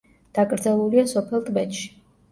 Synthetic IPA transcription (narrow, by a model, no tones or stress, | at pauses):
d̪̥akʼɾd̪zɛlˠuliasɔpʰɛlˠt̪ʼbɛt̪ʃi̥